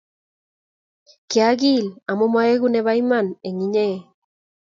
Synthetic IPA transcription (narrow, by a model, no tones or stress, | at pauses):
keaɣilamomaeɣuneβajmaneŋiɲe